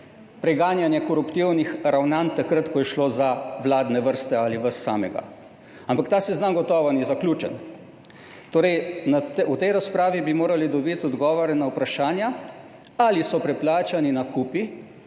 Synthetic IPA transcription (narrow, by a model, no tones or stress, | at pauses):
pɾɛɡaːnjanjɛkɔɾupt̪iwnixɾawnant̪akɾət̪kɔjɛʃloːzaʋlaːd̪nɛʋəɾst̪ɛaliʋəsːa̰ːmɛɡa̰ | ampakt̪aːsɛznamɡɔt̪ɔːʋanizaklʲuːt͡ʃɛ̰n | t̪oːɾɛjnaut̪ɛjɾaspɾaːʋibimoːɾalid̪ɔbit̪ɔd̪ɡɔːʋɔɾɛnawpɾaʃaːnja | alisɔpɾɛplaːt͡ʃaninakuːpi